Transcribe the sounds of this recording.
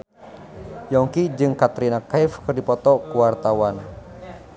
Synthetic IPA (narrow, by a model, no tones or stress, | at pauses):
jɔŋkid͡ʒɨŋkat̪ɾinakaifkərdipɔt̪ɔkuwart̪awan